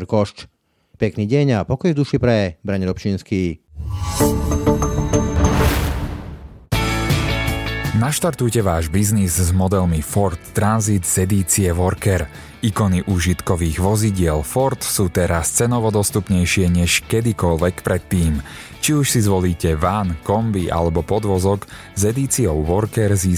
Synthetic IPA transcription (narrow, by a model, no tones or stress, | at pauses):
ɾkɔʃt͡ʃ | pɛkniːɟɛɲapɔkɔjvd̪uʃipɾɛbɾaɲɾɔpt͡ʃinskiː | naʃt̪aɾt̪ujcɛʋaːʒbiznizzmɔd̪ɛlmifɔɾt̪ːɾanzit̪z̥ɛd̪iːt͡siɛʋɔɾkɛɾ | ikɔniʔuːʒit̪kɔʋiːɣʋɔziɟɪɛlfɔɾt̪suːt̪ɛɾast͡sɛnɔʋɔd̪ɔst̪upɲɛjʃɪɛɲɛʃkɛd̪ikɔʎʋɛkpɾɛt̪ːiːm | t͡ʃiuʃsizʋɔliːcɛʋankɔmbiʔa̰lɛbɔpɔd̪ʋɔzɔk | zɛd̪iːt͡siɔʊʋɔɾkɛɾziː